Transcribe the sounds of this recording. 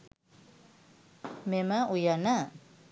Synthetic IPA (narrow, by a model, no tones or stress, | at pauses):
memaʔujana